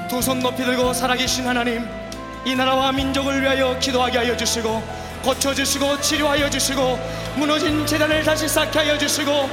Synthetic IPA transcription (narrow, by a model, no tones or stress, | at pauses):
t̪usʰonːopʰidɯɭɡosʰaɾaɡeɕʰinhanaɲim | inaɾawamind͡ʑʌɡɯɭɥiɦajʌkidoɦaɡeɦajʌd͡ʑuɕʰiɡo | kʌt͡ɕʰʌd͡ʑuɕʰiɡot͡ɕʰiɾjoɦajʌd͡ʑuɕʰiɡo | munʌd͡ʑint͡ɕe̞danɯɭtaɕʰis͈akʰeɦajʌd͡ʑuɕʰiɡo